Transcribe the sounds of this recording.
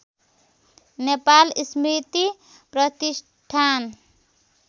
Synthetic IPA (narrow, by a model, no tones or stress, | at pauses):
nepalsmɾit̪i | pɾʌt̪is | ʈʰan